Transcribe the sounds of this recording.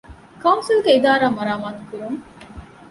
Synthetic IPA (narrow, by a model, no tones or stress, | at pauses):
kɐwnsilɡeid̪aːɾaːmɐɾaːmaːt̪ukuɾuŋ